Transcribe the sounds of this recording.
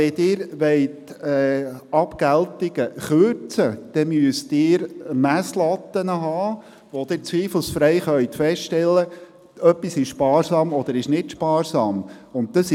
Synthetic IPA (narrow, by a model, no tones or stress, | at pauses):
ɛdɪːɾʋɛɪtɛːɑpkæltɪɡ̥əχøɾt͡səd̪̥ɛmyəst̪ɪːɾmæslɑt̪ːənəɦɑː | ʋod̥̪ɪɾt͡sʋiːfl̩ˠsfɾɛɪχœʏt̪fɛstʃtɛlːə | œpːisɪʃʃpɑːɾsɑːmɔd̪əɾɪʃnɪtʃpɑːɾsɑːmʊnt̚d̥̪ɑs